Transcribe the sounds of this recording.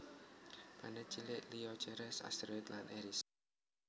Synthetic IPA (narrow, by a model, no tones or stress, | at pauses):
ka̰nɛt͡ʃilɪʔliɔ̥t͡ʃɛɾɛsa̰st̪ɾɔjt̪lanʔɛɾis